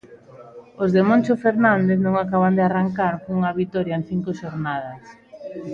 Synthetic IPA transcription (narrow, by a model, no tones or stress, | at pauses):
ozðemõnt͡ʃofeɾnand̪eθnõŋakaβand̪earaŋkaɾkuŋaβit̪ɔɾjaen̟θiŋkoʃoɾnaðɐs